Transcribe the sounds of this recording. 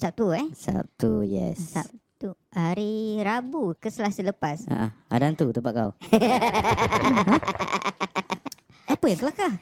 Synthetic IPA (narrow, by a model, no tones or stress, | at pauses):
sap̚t̪uɛsa̰p̚t̪ujɛ̰ssap̚t̪uhaɾiɾabukəsəlasələpasa̰ʔaa̰dant̪ut̪əpaʔkaw | apəjaŋkəlakah